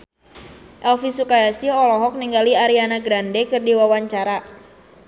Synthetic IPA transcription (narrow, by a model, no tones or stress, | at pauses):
ʔɛlfisukajasiɔlɔɦɔk̚niŋɡaliaɾianaɡɾandɛkɨrdiwawaɲt͡ʃaɾa